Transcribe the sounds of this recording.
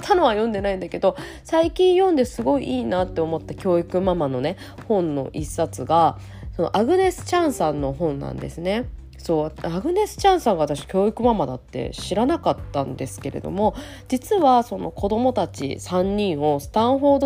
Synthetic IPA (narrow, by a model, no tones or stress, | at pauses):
t̪ʰanoβ̞ajõ̞nd̪e̞naĩnd̪ake̞d̪o̞ | saikʲĩɰ̃jõ̞nd̪e̞sɨɡo̞iʔiːnat̪ːe̞omo̞t̪ːakʲo̞ːikɯ̟mamano̞ne̞ | hõ̞nːo̞̰ʔisːat͡sɨɡa | so̞no̞̰ʔaɡɯ̟ne̞sɨ̥t͡ɕãɰ̃sãnːo̞ɦõ̞nːã̰nd̪e̞̰sɨne̞ | so̞ːaaɡɯ̟ne̞sɨ̥t͡ɕãɰ̃sãŋɡaβat̪aɕi̥kʲo̞ːikɯ̟mamad̪a̰t̪ːe̞̰ɕiɾanakat̪ːãnd̪e̞sɨ̥ke̞ɾe̞̰d̪o̞̰mo̞ | d͡ʑit͡sɨβaso̞no̞̰ko̞d̪o̞mo̞t̪at͡ɕḭsãɲ̟ːĩɰ̃o̞sɨ̥t̪ãɰ̃ɦo̞ːd̪o